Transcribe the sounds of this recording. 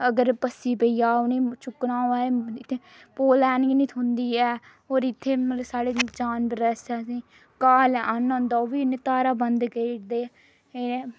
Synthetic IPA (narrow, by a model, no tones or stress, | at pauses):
əɡəɾpəsiːpəijaːʊneːt͡ʃʊknaːoːaːeɪt̪ʰːeː | poːlɛːnɪɡniːt̪ʰɦʊnd̪iːɛː | ɦoːɾɪt̪ʰːeːmət̪ləsaːɽeːd͡ʒaːnbɾɛsɛːsĩː | kaːlɛənʊnd̪aːoːʋiːʊnẽːt̪aːɾaːbənd̪ɡeːʈd̪eː | e